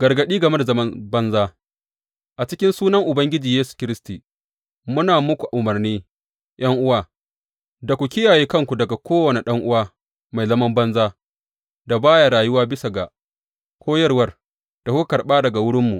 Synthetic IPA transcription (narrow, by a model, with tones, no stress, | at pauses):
ɡ̥ɐ˨rɡɐ˨ɗiː˦ɡɐ˨me˦da˨zɐ˦mɐ˦nbɐ˦nzaː˦ | ʔa˨t͡ʃɪ˦kʲɪ˦nsuː˦nɐ˦ŋʔʊ˨bɐ˦ŋɡʲɪ˦d͡ʒiː˨jeː˦su̥˨kʲɪ˦ɾɪ˦stiː˨ | mʊ˦naː˨mʊ˦kʷu˨ʔa˨ʔʊ˨mɐ˨rniː˦ | j̰ʔɐ˦ŋʔʊ˦waː˦ | da˨kʷu˨kʲɪ˦jaː˨jeː˦kɐ˦ŋkʷu˨dɐ˨ɡa˨kʰʷoː˦wɐ˨ne˨ɗɐ˦ŋʔʊ˦waː˦ | ma˨jzɐ˦mɐ˦mbɐ˦nzaː˦ | da˨baː˦ja˨ɾaː˨jʊ˦waː˦bɪ˦sa˨ɡa˨ | kʷʰoː˦jɐ˦rwɐ˦r | d̥a˨ku˦kɐ˨ɽɓaː˦dɐ˨ɡa˨wʊ˦ɽɪ˦mːu˨